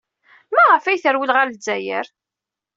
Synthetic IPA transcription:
mæʁəfæjθəɾwəlʁalzːæjə̰ɾ

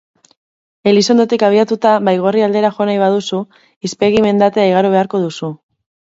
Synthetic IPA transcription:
e̞liso̞nd̪o̞t̪ikaβ̞iat̪ut̪aβajɣ̞o̞riald̪e̞ɾaxo̞najβ̞að̞usu | ispe̞ɣime̞nd̪at̪e̞aiɣ̞aɾoβ̞e̞aɾko̞ð̞usu

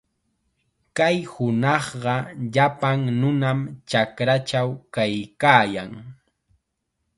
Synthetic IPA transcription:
kajhʊnɑχɢɑʎapaŋnʊnamt͡ʃakɾat͡ʃawkajkaːjaŋ

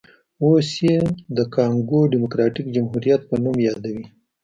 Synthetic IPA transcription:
osjed̪əkɑŋɡoɖimʊkɾɑʈikd͡ʒamɦuɾijat̪̚pənumjɑd̪awi

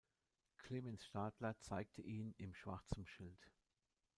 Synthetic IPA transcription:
kʰl̥eːmɛnsʃtaːtlɐt͡saɪk̚tʰəʔiːnɪmʃv̥a̰ɐt͡sn̩ʃɪlt

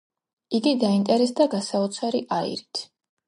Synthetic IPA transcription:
iɡid̪aint̪ʼɛɾɛsd̪aɡasaut̪sʰwaɾiʔaḭɾit̪ʰ

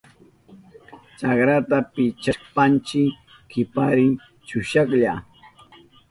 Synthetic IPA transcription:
t͡ʃakɾat̪apɪt͡ʃaʃpant͡ʃɪ | kɪpaɾɪŋ | t͡ʃʊʃɑkʎa

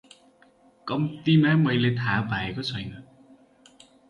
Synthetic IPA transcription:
kʌmt̪imamʌjlet̪ʰabʱaekot͡sʰʌjnʌ

